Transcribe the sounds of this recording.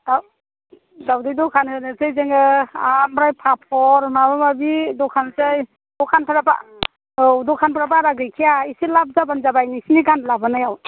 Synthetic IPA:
aw | dawdidɔkʰanhɯnɯsejzeŋɯanbɾajpʰapʰɔɾmabamabidɔkʰanzaj | dɔkʰanpʰaɾaba̰ | wdɔkʰanpʰaɾabaɾaɡɾɯjkʰijaisilap̚zabanzabajnisiniɡanlabanajaw

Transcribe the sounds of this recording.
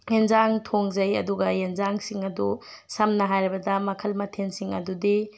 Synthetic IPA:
enzaŋtʰoŋzɐjɐ̰duɡɐenzaŋsiŋɐdusɐmnɐɦajɾibɐdɐmɐkʰɐlmɐtʰensiŋɐdudi

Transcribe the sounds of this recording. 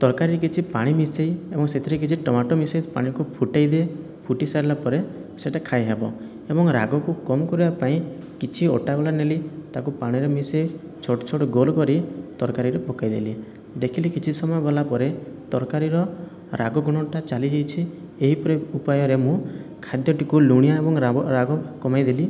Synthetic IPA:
t̪ɔɾkaɾiɾek̬it͡ʃʰipaɽ̃imisejebɔŋset̪ʰiɾek̬it͡ʃʰiʈɔmaʈɔmised͡ʒpa̰ɽ̃ikupʰuʈajd̪e | pʰuʈisaɾilapɔɾeseʈakʰajɦebɔ | ebɔŋɾa̰ɡɔkukɔmɔkɔɾibapaĩ | kit͡ʃʰio̰ʈaulanelit̪akupaɽ̃iɾemisei | t͡ʃʰoʈɔt͡ʃʰoʈɡolkɔɾit̪ɔɾkaɾiɾepɔkajd̪eli | d̪ekʰilikit͡ʃʰisɔmɔjɔɡɔlapɔɾet̪ɔɾkaɾiɾɔ | ɾa̰ɡɔɡuɽ̃ɔʈat͡ʃalid͡ʒajt͡ʃʰi | eɦipɔɾeupajɔɾemũkʰad̪jɔʈikuluɽ̃ijaebɔŋɾaɔɾaɡɔkɔmajd̪eli

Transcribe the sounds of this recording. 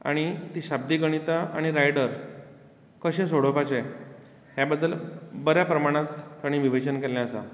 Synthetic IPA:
a̰ɽ̃it̪iːɕab̚d̪iːɡəɽ̃it̪aaɽ̃iɾajɽəɾ | kəɕẽsoɽopat͡ɕe | ɦjabəd̪ːəlbəɾjapɾəmaɽ̃ãt̪ːəɽ̃ĩʋiʋet͡ɕənkɛljaəsa̰

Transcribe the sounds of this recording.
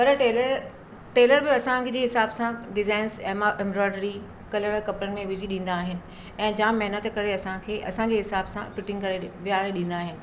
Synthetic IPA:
pɐɾʈeːləɾ | ʈeːləɾbɪɐsãkʰed͡ʑeːɦɪsaːbsãɖɪzaːɪnzɛmʔɛ̃mbɾɔːɪɖɾi | kɐləɽkɐpɾənɪ̆mẽʋɪd͡ʑiɗĩːn̆d̪aːɦɪnɪ̆ | ɛ̃ːd͡ʑãːmɐɦɪnət̪kɐɾeɐsãkʰeːʔɐ̰sãd͡ʑeːɦɪsaːbsãfɪʈɪ̃ŋɡkɐɾeʋɪjaːɽeɗĩːnd̪aːɦɪnɪ̆

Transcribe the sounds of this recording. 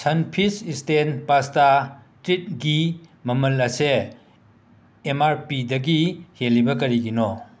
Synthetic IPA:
sɐnpʰisistenpastatɾit̚ɡimɐmɐlɐse | maɾpidɐɡihelːibɐkɐɾiɡino

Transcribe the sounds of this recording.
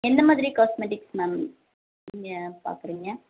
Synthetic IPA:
ɛnd̪ɐmaːðɪɾikaːsmeʈɪksnaːm | nɪŋɡɐpa̰ːɾkɯɾiːŋɡɐ

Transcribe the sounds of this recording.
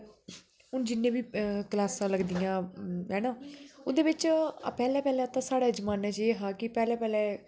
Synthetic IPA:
ɦʊnd͡ʒɪnːẽːbiːkəlaːsãːləɡd̪ijãːɦɛːnaːʊd̪eːʋɪt͡ʃːpɛːlɛːpɛːlɛ̃ːt̪ãːsaːɽeːd͡ʒəmaːnɛ̃ːt͡ʃeːɦãːkɪpɛːlɛːpɛːlɛː

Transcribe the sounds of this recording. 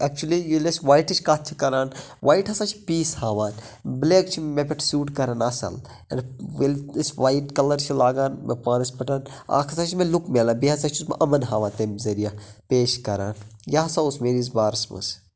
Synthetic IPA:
ɐk̚t͡ʃulijilesʋaːiʈɐt͡ʃʰkaːt͡ʃʰikɐɾaːn | ʋʔaːiʈɦɐsaːt͡ʃʰi̥piːshaːʋaːn | bleːk̚t͡ʃʰimepɪʈʰsuːʈkɐɾanɐsɐ̰l | ɐ̰nʋelsʋaːjʈkɐlɐɾt͡ʃʰilaːɡaːnmḛpaːnispɐʈaːna̰ːkʰɐsaːt͡ʃʰimẽlukmeːlãːbiɦɐsaːt͡ʃʰusmʔɐmɐnɦaːʋaːnt̪emzɐɾijaːpeːʃkɐɾaːnjaɦɐsaːusmeːɾiːz̬baːɾsmɐ̰s

